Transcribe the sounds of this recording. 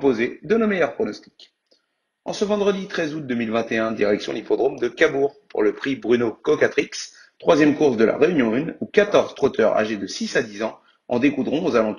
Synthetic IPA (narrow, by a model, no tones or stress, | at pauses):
pozed̪ənomejœʁpχɔnɔst̪i̥k | ɑ̰̃səvɑ̃d̪ʁəd̪it̪χɛzut̪̚d̪əmilvɛ̃t̪eɛ̃d̪iʁɛksjɔ̃d̪ipɔd̪ʁomd̪əkabuʁpṵʁləpχibʁynokɔkat̪χiks | t̪χwazjɛmkuʁsd̪əla̰ʁeynjɔ̃ynukat̪ɔʁzt̪χot̪œʁa̰ʒed̪əsisad̪izɑ̃ | ɑ̰̃d̪ekud̪ʁɔ̃ozalɑ̃t̪